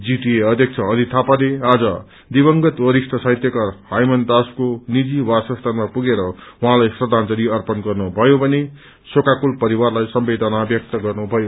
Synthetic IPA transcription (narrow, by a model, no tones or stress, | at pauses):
d͡ziʈieʌd̪ʱjʌk̚t͡sʰʌːd̪ʱit̪ʰapalead͡zʌ | d̪ibʌŋɡʌt̪wʌɾisʈʌsajt̪jʌkʌhajmʌnd̪askonid͡ziwasʌst̪ʰanmapuɡeɾʌuɦãlajsrʌd̪ʱant͡sʌɾiʌrpʌnɡʌrnubʱʌjobʱʌne | sokakulpʌɾiwarlajsʌmbed̪ʌnabjʌk̚t̪ʌɡʌrnubʱʌjo